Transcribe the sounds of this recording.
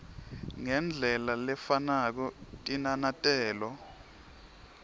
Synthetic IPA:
ŋɛnd͡ɮʱɛlalɛfanak̬ɔtʼinanatʼɛːlɔ

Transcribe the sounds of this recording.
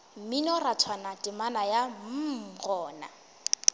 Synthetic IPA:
minɔrat͡sʰwanatʼɪmanajam̩ɣɔːna̰

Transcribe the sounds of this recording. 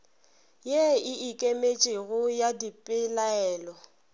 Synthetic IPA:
jeɪikʼemet͡ʃʼeɣʊjadipʼɪlaɛːlɔ

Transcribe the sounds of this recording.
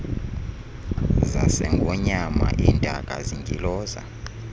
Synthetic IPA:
zasɛŋɡʱɔɲamaʔiːndʱak̬ʼaziŋʱilɔːza̰

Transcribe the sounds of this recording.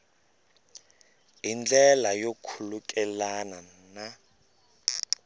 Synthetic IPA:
ind͡ɮʱɛlajokʰulukʼɛlanana

